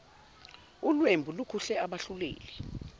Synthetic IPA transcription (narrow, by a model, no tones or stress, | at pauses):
ulwembʱulukʰuɬɛaɓaɬulḛːlɛ